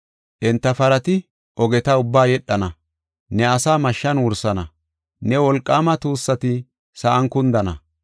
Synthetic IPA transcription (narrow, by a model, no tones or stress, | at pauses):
ʔɛnt̪ːɐfɐɾɐt̪ɪ | ʔɔɡɛt̪ɐʊbːaːjɛɗːɐnɐ | nɛɐsaːmɐʃːɐnwʊɾsɐnɐ | nɛwɔlkʼːaːmɐt̪uːsːɐt̪ɪ | sɐʔɐŋkʊnd̪ɐnɐ̰